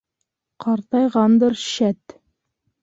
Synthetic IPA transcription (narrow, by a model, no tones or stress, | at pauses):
qɑɾt̪ɑjʁɑnd̪ɤ̆ɾɕæt̪